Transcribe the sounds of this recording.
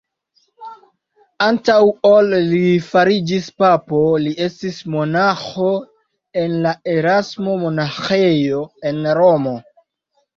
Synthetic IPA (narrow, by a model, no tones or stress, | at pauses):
antawolːifaɾid͡ʒispapo̞lie̞stismo̞naxo̞ | e̞nlae̞ɾasmo̞mo̞naxe̞jo̞e̞nɾo̞mo̞